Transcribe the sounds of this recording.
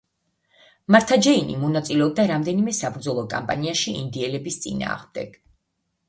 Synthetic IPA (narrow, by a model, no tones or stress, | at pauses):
maɾt̪ʰad͡ʒɛinḭmɔnat̪sʼilɛɔb̚d̪aɾamd̪ɛnimɛsabɾd̪zɔlˠɔkʼa̰mpʼa̰niaʃiḭnd̪iɛlɛbist̪sʼḭna̰ːʁmd̪ɛ̰ɡ̥